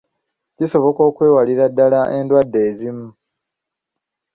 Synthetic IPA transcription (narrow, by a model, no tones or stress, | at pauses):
ciso̞βo̞ko̞ːkwe̞ːwaliɾadːalaʔe̞ndwadːe̞ːzimu